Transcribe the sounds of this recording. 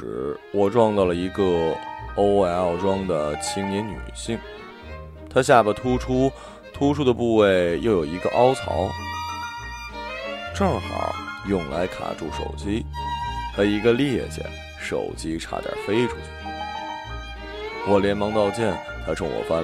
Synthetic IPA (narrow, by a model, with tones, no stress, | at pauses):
wɔ˨˩ʈ͡ʂwɑ˥˧ŋt͡s̪ɑ˥˩lə˩i˧˥ɡə˧o˥ʊa˧˥ɪɑ˥˩ʊʈ͡ʂwɑ˥ŋd̪ə˩t͡ɕʰi˧˥ŋni˧˥nny̰˨˩ɕi˥˩ŋ | t̪ʰa˥ɕja˥˩bə˨˩t̪ʰu˥ʈ͡ʂʰu˥ | t̪ʰu˥ʈ͡ʂʰu˥d̪ə˨pu˥˧we˥˩ɪjo˥˩ʊjo˨˩ʊi˧˥ɡə˧ʔɑ˥ʊt͡sʰɑ˧˥ʊ | ʈ͡ʂɤ˥˩ŋxɑ̰˨˩˦ʊjʊ˥˩ŋla̰˧˥ɪkʰa̰˨˩ʈ͡ʂu˥˩ʂo̰˨˩ʊt͡ɕi˥t̪a˧˥i˧˥ɡə˧ljɛ˥˩t͡ɕjɛ̰˨˩ | ʂo̰˨˩ʊt͡ɕi˥ʈ͡ʂʰa̰˨˧˩t̪a̰˥˩fe˥ɪʈ͡ʂʰu˥t͡ɕʰy˥˩ | wɔ˨˩ljɛ˧˥nmɑ˧˥ŋt̪ɑ˥˧ʊt͡ɕjɛ˥˩n | xa˧˥ɪʈ͡ʂʰʊ˧˥ŋwɔ̰˨˩fa˥n